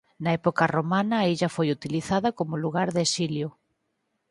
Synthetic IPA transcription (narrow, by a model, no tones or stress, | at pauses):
nɐɛpokɐromanɐːiʎɐfojut̪iliθaðɐkomʊluɣaɾðesiljʊ